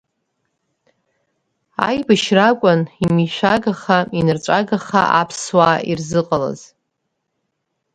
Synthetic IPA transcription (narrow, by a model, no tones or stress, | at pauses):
a̰jbɨʃrakʷʼʊnimiʃʷᶣaɡaχainart͡ʃʷʼaɡaχa̰ʔapʰswaːirzɨqʼala̰z̥